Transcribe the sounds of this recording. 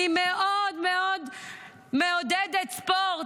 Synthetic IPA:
imeʔɔd̪meɔd̪ | meod̪ɛd̪et̪spɔʁ

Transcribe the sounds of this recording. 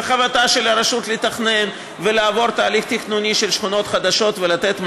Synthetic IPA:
χavat̪aʃelaɾaʃut̪lit̪aχne̞n | velaːvo̞ɾt̪aːliχt̪iχnuniʃelʃχuno̞t̪χad̪aʃo̞t̪velat̪et̪m

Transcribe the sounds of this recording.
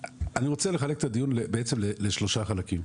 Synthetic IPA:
aniʁot͡sele̞χale̞ket̪ad̪ijunlebeet͡se̞mlele̞ʃlo̞ʃaχalakim

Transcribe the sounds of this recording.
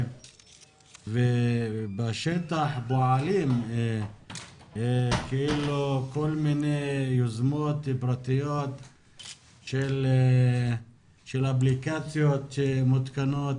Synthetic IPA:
vebaʃet̪aħboʕalim | keʔilukolminejjuzmot̪ibɾat̪ijot̪ | ʃel | ʃelablikat͡sjot̪ʃemut̪kanot̪

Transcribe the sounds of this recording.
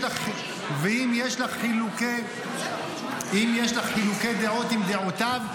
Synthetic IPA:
aχ | veimjeʃlaχħiluke | imjeʃlaχħiluked̪eʕot̪imd̪eʕot̪av

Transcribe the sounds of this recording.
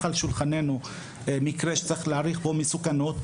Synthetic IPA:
alʃulχaneno | emikɾeʃt͡saχlaɾiːχbomisukanot̪

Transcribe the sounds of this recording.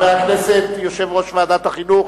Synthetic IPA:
eakneset̪joʃevʁo̞ʃvead̪at̪haχinuχ

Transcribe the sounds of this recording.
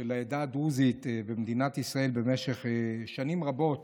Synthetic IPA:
elaed̪ad̪ʁuzit̪bemd̪inat̪isʁae̞lbemeʃeχeʃanimʁabo̞t̪

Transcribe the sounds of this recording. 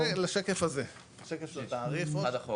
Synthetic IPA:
laʃekefaze | aʃekeflot̪aaʁifodo

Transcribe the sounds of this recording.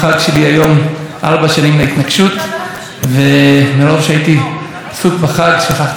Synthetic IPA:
aɡʃeliajo̞mʔalbaʃanimlait̪naɡʃut̪ | vemeʁovʃeait̪i | sfukbaχaɡʃaχaχ

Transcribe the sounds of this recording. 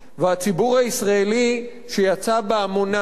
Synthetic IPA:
veat͡sibuʁhaisʁaeli | ʃejat͡sabeamo̞na

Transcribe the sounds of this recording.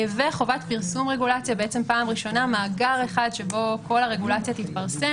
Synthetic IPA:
veχo̞vat̪piʁsumʁe̞ɡulat͡sjabeet͡se̞mpaːmʁiʃo̞namaːɡaʁe̞χadʃe̞bo̞ko̞laʁe̞ɡulat͡sjat̪it̪paʁse

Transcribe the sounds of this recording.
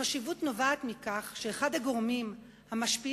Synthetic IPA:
aʃivutno̞vaːt̪mikaχʃe̞ːχadhaɡo̞ʁmim | hamaʃpi

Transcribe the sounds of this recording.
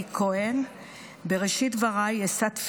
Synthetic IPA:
kʰoen | beʁeʃit̪vaʁajesat̪f

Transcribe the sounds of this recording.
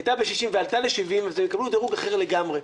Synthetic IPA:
ajt̪abeʃiʃimvealt̪aleʃivimazemjikablud̪eʁuɡaχe̞ʁle̞ɡamʁe

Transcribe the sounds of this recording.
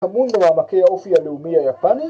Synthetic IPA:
amund̪awamakɛaɔfialiumiajapani

